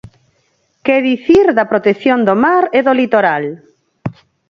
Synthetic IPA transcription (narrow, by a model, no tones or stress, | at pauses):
keðiθiɾðapɾot̪eθjond̪omaɾeðolit̪oɾal